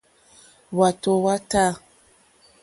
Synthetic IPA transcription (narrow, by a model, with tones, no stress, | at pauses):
wa˨to˨wa˦ta˦